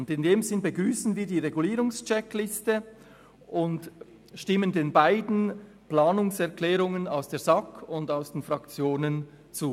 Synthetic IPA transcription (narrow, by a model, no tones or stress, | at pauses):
ʊndɪndeːmzɪnbəɡʁyːsn̩viːɐdiːʁeɡuliːɾʊŋst͡ʃɛklɪstə | ʔʊnd | ʃtɪməndeːnbaɪdn̩ | plaːnʊŋsɛʁklɛːʁʊŋənaʊsd̥eːɐzɑkʰʊndaʊsd̥eːnfʁɑkt͡sjoːnən | t͡suː